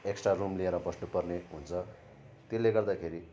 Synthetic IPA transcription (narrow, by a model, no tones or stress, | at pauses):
eksʈrarumlieɾʌbʌsnupʌrneɦunt͡sʰʌ | t̪elːeɡʌrd̪akʰeɾi